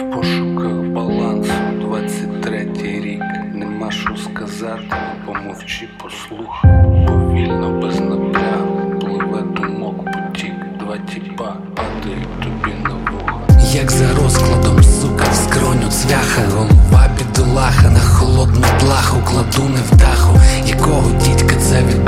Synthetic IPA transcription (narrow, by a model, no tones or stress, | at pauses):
pɔʃʊkaxbɐlˠansʊd̪ʋat͡sʲːɐtʲt̪ɾɛtʲijɾʲiknɛmaʃʊskɐzat̪ɪpɔmɔwt͡ʃipɔslˠuxɐɔʋʲilʲnɔbɛznɐbʲaɪplˠɪʋɐd̪ʊmɔkpɔt̪ʲikd̪ʋatʲiba | ɐd̪ɪit̪ɔbʲinɐbɔɦɐjɐɡzɐɾɔsklˠɐd̪ɔmsukɐskɾɔnʲʊsʋʲaxɐɦɔbabʲid̪ɔlˠɑxɐnɐxɔlˠɔd̪nʊplˠɑxʊklˠɐd̪unɪwd̪ɑxʊjɐkɔɦɔdʲitʲkɐt̪sɛʋʲi